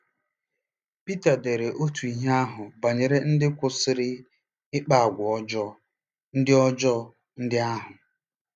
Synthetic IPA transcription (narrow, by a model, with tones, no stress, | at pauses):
pi˦ta˨de˨ɾe˨ʔo˦tu˨i˨ɦa˦ɦʊ˨ba˨ɲe˨ɾe˦n̩˦dɪ˦kʷʊ˨sɪ˨ɾɪ˦ | ɪ˦k͡pa˦a˨ɡʷɔ˦d͡ʒɔ˦ | n̩˦dɪ˦ɔ˦d͡ʒɔ˦ | n̩˦dɪ˦a˦ɦʊ˨